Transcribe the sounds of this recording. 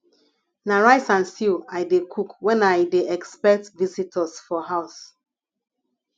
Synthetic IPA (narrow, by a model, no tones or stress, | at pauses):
naɹaɪsãnsilajdekʰukwɛ̃najdeʔɛkspɛk̚tvisitʰɔsfɔɦaʊs